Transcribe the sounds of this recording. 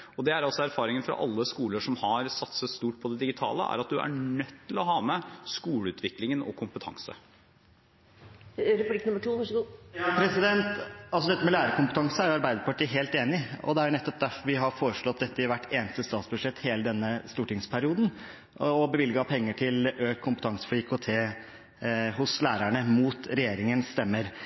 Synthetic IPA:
ɔd̪ɛæɾɑlsɔæɾfɑːɾɪŋənfɾɑ̰ʔɑ̰lːəskuːləʂɔmhɑɾsɑt̪səst̪uːʈ̚pʰɔd̪ɛd̪ɪɡɪt̪ʰɑ̰ːlə̰ʔæ̰ɾɑt̪̚d̪ʉʔæ̰ɳœt̪ʰːɪlɔɦɑːmɛskuːləʉːt̪ʰʋɪklɪŋənɔ̰kʰʊmpət̪ʰɑ̰ŋsə̰ | ɾpblɪknʉməʈʰuːʋɑʂəɡuːjɑpʰɾɛsɪd̪ɛnt̪ɑlsɔd̪ɛt̪ːəmɛlæːɾəkʊmpət̪ʰɑŋsnæɾjʊɑɾbæɪd̪əɾpɑʈiːɦeːlt̪eːnɪɔ̰d̪ɛæɾnɛt̪ːɔp̚d̪æɾfɔɾʋɪɦɑɾfoːɾəʂɭɔt̪̚d̪ɛt̪ːəɪʋæʈːeːnəst̪əst̪ɑːt̪sbʉd̪ʂɛt̪ːheːləd̪ɛnːəst̪uːʈɪŋspʰæɾɪuːd̪n̩ | ɔbəʋɪlɡɑpʰɛŋːəʈʰɪlʔøːkkʰːʊmpət̪ʰɑŋsə̥fɔiːkʰot̪ʰeː | ɦʊslæːɾæɳəmuːt̪ɾɛjeːɾɪŋənst̪ɛmːəɾ

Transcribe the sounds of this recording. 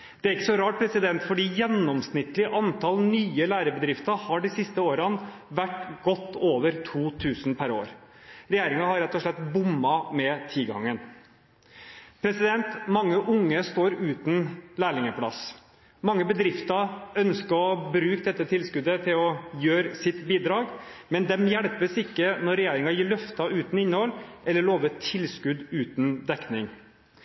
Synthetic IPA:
d̪̥ɛæɾɪkːəsɔɾɑːʈ̚pʰɾɛsɪd̪ɛnt̪fɔɖiːjɛnːɔmsnɪt̪lɪʔɑnt̪ʰɑlnyːəlæːɾəbəd̪ɾɪft̪ɑhɑɖɪsɪst̪əoːɾɑnʋæʈɡɔt̪ːoːʋəɾt̪ʰuːt̪ʰʉːsnpʰæɾo̰ːɾɾɛjeːɾɪŋɑhɑɾɛt̪ːɔʂɭɛt̪ːbʊmːɑmɛt̪ʰɪlɡɑ̰ŋːən | pʰɾɛsɪd̪ɛnt̪mɑŋːəʔʊŋːəst̪oːɾʉːt̪n̩læːɭɪŋəpʰlɑ̰s | mɑŋːəbəd̪ɾɪft̪ɑœnskəɾɔbɾʉːk̚d̪ɛt̪ːət̪ʰɪlskʉd̪ət̪ʰɪlɔjøːɾsɪt̪biːd̪ɾɑːɡ | mɛnd̪ɛmjæɽpəsɪkːənɔɾɾɛjeːɾɪŋɑjiːɭœft̪ɑʉːt̪n̩ɪnːəhɔlʔɛlːəɭoːʋəʈʰɪlskʉd̪ʉːt̪n̩d̪ɛknɪŋ

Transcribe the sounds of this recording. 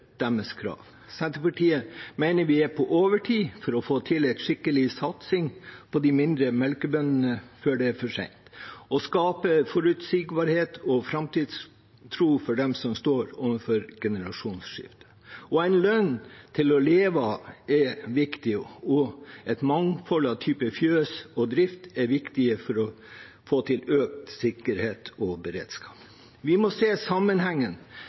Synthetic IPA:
d̪̥ɛməskʰɾɑ̰ːʋ | sɛnt̪əpɑʈʰiːəmæɪnəɾʋɪæɾpʰɔʔoːʋəʈʰiːfɔɾɔfoːt̪ʰɪlɪt̪ʂɪkːəlɪsɑt̪sɪŋpʰɔd̪ɪmɪnd̪ɾəmɛlkəbœnən̩əføːɖɛæɾfɔʂɛ̰ɪnt̪ɔskɑːpəfɔɾʉt̪sɪɡbɑːɾheːt̪ʰɔfɾɑmt̪iːd̪s | t̪ʰɾuːfɔɖɛmsɔmst̪oːɾʊʋənfɔɾɡ̥ɛnəɾɑʂuːnsʂɪ̰ft̪ə̥ | ɔæɪnlœnt̪ʰɪlɔleːʋɑɛʋɪkt̪ɪɔɛt̪mɑŋfɔlɑt̪ʰyːpəfjøːsɔd̪ɾɪft̪ɛʋɪkt̪ɪəfɔɾɔ | foːt̪ʰɪløːk̚t̪sɪkəɾheːt̪ʰɔbəɾḛːd̪̥skɑːp | ʋɪmɔseːsɑmːənhæŋːən

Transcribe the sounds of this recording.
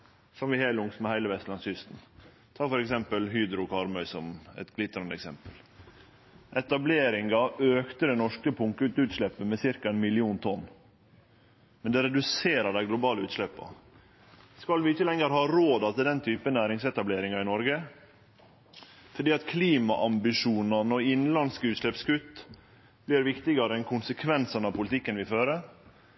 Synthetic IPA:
sɔmʋɪhelʊŋsmɛhæɪləʋɛst̪lɑnsʏst̪n̩ | t̪ʰɑːfɔɾɛksɛmpəlɦyːd̪ɾʊkʰɑɾmœʏsɔmɛ̰t̪ɡlɪt̪ːɾɑnd̪əɛksɛmpəl | ʔɛt̪ɑbleːɾɪŋɡɑʔøːkt̪əd̪ɛnɔʂkəpʰʊŋkəʉt̪ʉːt̪ʂɭɛpːəmɛsɪɾkɑɛnmɪlɪuːnt̪ʰɔnː | mɛnd̪ɛɾɛd̪ʉseːɾəɖæɪɡlʊbɑːləʉːt̪ʂlɛpːɑ̰ | skɑlʋɪɪçəlɛŋːəɾhɑːɾoːd̪ɑt̪ʰɪd̪ɛnt̪ʰyːpənæːɾɪŋsɛt̪ɑbleːɾɪŋɑɪnɔɾɡə | fɔɖiːɑt̪kʰliːmɑʔɑmbɪʂuːnɑnɔɪnlɑnskʉːt̪ʂlɛpskʉt̪ː | blɪɾʋɪkt̪ɪɡɑɾəɛnkʰʊnsəkʰʋɛnsənɑʋpʊlɪt̪ʰɪkːənʋɪføːɾə

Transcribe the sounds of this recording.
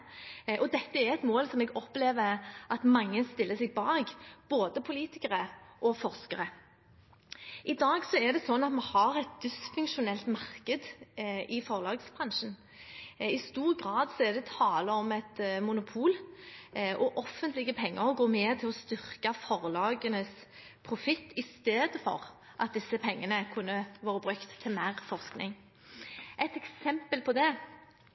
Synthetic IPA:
ʔɔd̪ɛt̪ːəɛɾɛt̪moːlsɔmɛɡɔpleːʋəʔɑt̪mɑŋːəst̪ɪlːəsɛɡ̚bɑːɡb̥oːd̪əpʰʊliːt̪ɪkəʁəʔɔfɔʁskəɾə | ʔɪd̪ɑːɡsɔɛd̪ɛsɔnːɑt̪mɑhɑʁɛt̪̚d̪̥ɪsfʉŋkʃʊnɛlt̪mɑʁkəd̪ʔɪfɔʁlɑːɡsbʁɑnʂn | ɪst̪uːʁɡʁɑːd̪sɔɛd̪ɛt̪ʰɑːləɔmɛt̪mʊnʊpʰuːl | ʔɔʔɔfːənt̪lɪɡəpʰɛŋːəɾɡoːmeːt̪ʰɪlɔst̪ʏʁkɑfɔʁlɑːɡənəs | pʰɾʊfɪt̪ʰːɪst̪eːd̪əfɔ̰ʁ | ʔɑt̪̚d̪ɪsːəpʰɛŋːənəkʰʉnːəʋoːɾəbɾʉkt̪ʰːɪlmæːɾfɔʁsknɪ̰ŋ | ʔɛt̪ɛksɛmpəlpʰɔd̪ɛ

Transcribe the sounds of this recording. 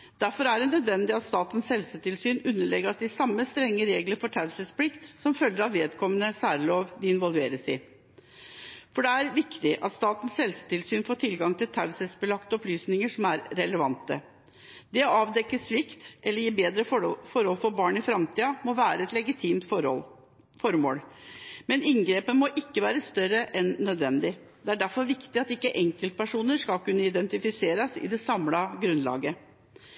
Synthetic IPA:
d̪̥æɾfɔɾæɖɛnœd̪ʋɛnd̪ɪɑt̪st̪ɑːt̪ən̩shɛlsət̪ʰɪlsyːnʉnːəɭɛɡəɑsd̪ɪsɑmːəst̪ɾɛŋːəɾeːɡləɾfɔʈʰɑʉsəspʰlɪkt̪sɔmfœljːəɾɑʋeːd̪kʰɔmənəsæːɾəloːʋd̪ɛɪnʋɔlˠʋeːɾəsɪ̰ | fɔɖɛæɾʋɪkt̪ɪʔɑ̰t̪st̪ɑːt̪n̩shɛlsə̥t̪ɪlsyːnfoːʈʰɪlɡɑŋt̪ʰɪlt̪ʰɑʉsɛsbəlɑkt̪əɔplyːsnɪŋəʂɔmæɾɾɛləʋɑ̰nt̪ə̰ | d̪ɛɑːʋd̪ɛkːəsʋɪkt̪ʔɛlːəɾjiːbeːd̪ɾəfɔɾhɔlfɔɾbɑːɳɪfɾɑmt̪ʰiːɑmɔʋæːɾəɛt̪lɛɡɪt̪ʰiːmt̪ | fɔɾmo̰ːlmɛnɪŋɡɾeːpənmɔʔɪkːəʋæːɾəst̪œɾəʔɛnːœd̪ʋɛnd̪ɪ | d̪̥ɛæɖæɾfɔɾʋɪkt̪ɪɑt̪ɪkːəʔɛŋkəlt̪̚pʰæʂuːnəʂkɑlkʉnːəɪd̪ɛnt̪ɪfɪseːɾəsɪ̰d̪ɛsɑmlɑɡɾʉnlɑ̰ːɡə

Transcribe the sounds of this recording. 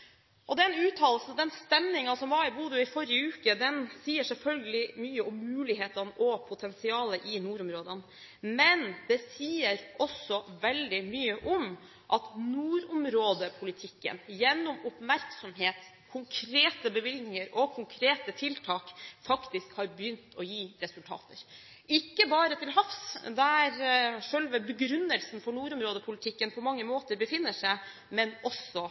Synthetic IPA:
ʔɔd̪ɛnʉːt̪ʰɑːllsn̩d̪ɛnst̪ɛmnɪŋɑsɔmʋɑɾɪbuːd̪ʉɪfɔɾjəʉːkəd̪ɛnsiːəʂɛlfœlɡəlɪmyːəʊmːʉːlɪɦeːt̪ɑnəʔɔpʰʊt̪ʰɛnsɪɑːləʔɪnuːɾʊmɾoːd̪ən | mɛnd̪ɛsiːəɾʔɔsɔʋɛld̪ɪmyːəʔʊm | ʔɑt̪nuːɾʊmɾoːd̪əpʰʊlɪt̪ʰɪkːə̰njɛnːɔmʊpmæɾksɔmɦeːt̪ | kʰʊŋkʰɾeːt̪əbəʋɪlnɪŋəɾɔkʰʊŋkʰɾeːt̪ət̪ʰɪlt̪ʰɑːkfɑkt̪ɪskhɑɾbjʏnt̪ʰɔjiːɾɛsʉlt̪ʰɑ̰ːt̪əɾ | ɪkːəbɑːɾət̪ʰɪlɦɑfsd̪ɛæɾʂœlʋəbəɡɾʉnːəlsnfɔɳuːɾʊmɾoːd̪əpʰʊlɪt̪ʰɪkːənpʰɔmɑŋːəmoːt̪əɾbəfɪnːəʂæɪ | mɛnɔsɔ

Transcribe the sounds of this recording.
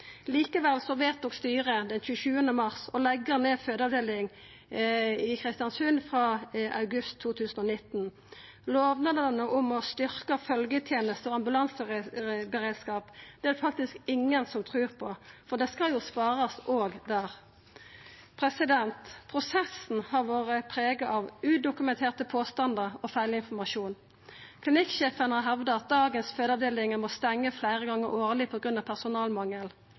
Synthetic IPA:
liːkəʋɛlsɔʋeːt̪̚ːɔkst̪yːʁəd̪ɛnçʉːəçʉːənəmɑʁsɔlɛɡːəʁneːføːd̪əɑʋd̪eːlɪŋ | ɪkʰʁɪst̪jɑnsʉnfʁɑːʔɑʉɡʉst̪ʰːuːt̪ʰʉːsən̩ɔnɪt̪n̩ | loːʋnəd̪ənəʔɔmɔst̪ʏʁkəfœlɡət̪ʰjeːnəst̪əɔɑmbʉlɑns | bəɾeːd̪skɑːpd̪̥ɛæd̪ɛfɑk̚t̪ɪskɪŋːənsɔmt̪ʰɾʉːʁpʰɔfɔʁd̪ɛskɑljʊspɑːʁɑsʔoːɡd̪æːʁ | pʰʁɛsɪd̪ɛnt̪pʰʁʊsɛsn̩hɑʁʋoːʁəpʰʁeːɡɑʔɑʋʉːd̪ʊkʉmɛnt̪ʰeːʁt̪əpʰoːst̪ɑnd̪əʁɔfæɪlɪnfɔmɑʃuːn | kʰlɪnɪkʃeːfənɑɦɛʋd̪əɑt̪̚d̪ɑːɡənsføːd̪ɑʋd̪eːlɪŋəmɔst̪ɛŋːəflæɪʁəɡɑŋːəʁoːʁlɪpʰɔɡʁʉnɑʋpʰæʁsʊnɑːlmɑŋːəl

